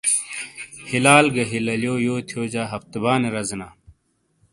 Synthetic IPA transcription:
hilaːlɡɐɦilɐljoːjoːt̪ʰjoːd͡ʑaːɦɐft̪baːneɾɐznaː

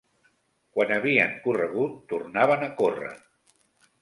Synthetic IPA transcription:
kwanəβiəŋkurəɣ̞ut̪ːurnaβ̞ənəkorə̰

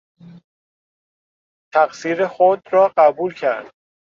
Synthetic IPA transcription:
t̪ʰæɣsiːɾexod̪ɾɒːɢæbuːlcʰæɾd̪̥

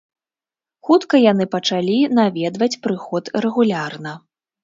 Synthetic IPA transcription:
xut̪kɐjan̪ɨpɐt͡ʂalʲinavʲɛd̪vɐt͡sʲpɾɨxɔt̪rɛɣulʲarnɐ

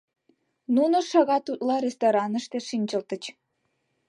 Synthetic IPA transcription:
nunoʃɑɣɑt̪ut̪̚lɑɾʲest̪oɾɑnə̆ʃt̪eʃinʲt͡ɕə̆lt̪ə̆t͡ɕ

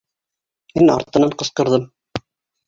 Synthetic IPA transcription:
minɑ̰ɾt̪ɤ̆nɑɴqɤ̆sqɤ̆ɾðɤm

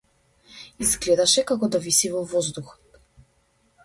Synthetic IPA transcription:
izɡlɛd̪aʃɛkakɔd̪avisivɔvɔzd̪uxɔ̥t̪

